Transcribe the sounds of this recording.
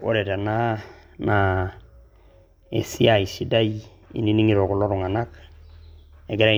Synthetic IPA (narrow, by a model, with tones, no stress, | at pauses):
o̰˦ɾe˨ta˨na˦na | ḛ˨si˦a˨i˨si˦da˦j | ḭ˨ni˦ni˦ŋi˦ɾo˨ku˨lo˦ɾu˨ŋa˨na˦k | e˨ɡe˦ɾa˦